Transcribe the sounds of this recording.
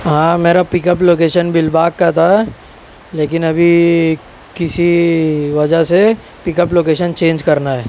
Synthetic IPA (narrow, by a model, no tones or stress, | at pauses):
ɦãːmeːɾapɪkəp̬loːkeːʃənbɪlbaːkːat̪ʰa | leːk̬ɪnɐbʱi | kɪsiʋɐd͡ʒəse | pɪkəploːkeːʃənt͡ʃẽːnd͡ʒkɐɾnaɦɛː